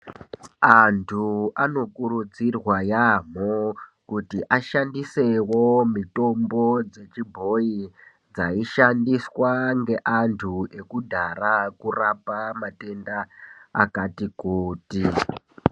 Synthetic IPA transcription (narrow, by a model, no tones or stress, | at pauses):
antʰuano̞kuɾud͡zirwajam̤okutiʔaʃandise̞womito̞mbo̞d͡ze̞t͡ʃibʱo̞i | d͡zaiʃandiswaŋɡe̞ʔantʰue̞kudʱarakurapamate̞ndaa̰katikuːti